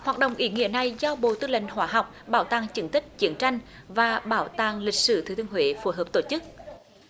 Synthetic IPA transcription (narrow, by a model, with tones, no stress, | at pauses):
hwaː˨˩t̚ɗə̰˧˨wŋ͡mʔi˧˦ŋḭ˧˥əna˨˩jzɔ˧ɓo̰˧˨t̪ɨ˧lḛ˧˨ŋ̟ɦwaː˧˦ɦa˨˩wk͡p̚ɓaː˧˩wt̪aː˨˩ŋt͡ɕɨ˨˧˦nt̪ï˦˥k̟̚t͡ɕi˧˦ənt͡ɕa˧jŋ̟ | vaː˨˩ɓaː˧˦wt̪aː˧˩ŋlï˨˩k̟̚sɨ̰˧˩t̪ʰɨ˨˧˩t̪ɨ˧əŋɦwḛ˧˨˦fu˨˧˦ɦəː˨˩p̚t̪o˧˩t͡ɕɨ˦˥k̚